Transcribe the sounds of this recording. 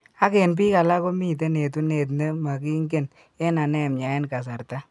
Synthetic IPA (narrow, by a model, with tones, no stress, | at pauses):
a˦ke˨np̬iː˦ka˨la˦ko˦mi˦t̬e˦ne˨tu˦ne˨t̬ne˦ma˨ki˦ŋɡe˦˨n | e˦na˨nɛ˦˨mɲa˨e˦nka˨s̬a˨ɾta˦